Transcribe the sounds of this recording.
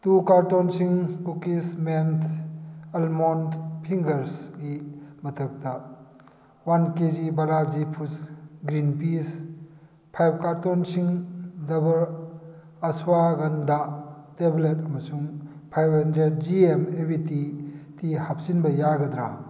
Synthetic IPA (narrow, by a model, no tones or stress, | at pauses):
tukaɾtonsiŋkukismentʰ | elmondpʰiŋɡɐɾsɡimɐtʰɐk̚tɐ | wankezibɐɾazipʰusɡɾinpis | pʰajb̚kaɾtonsiŋdɐbɐɾ | ɐsuwaɡɐndatebletɐmɐsuŋpʰajbɦɐndɾed̚d͡ʒiemebititihap̚zinbɐjaɡɐd̪ɾa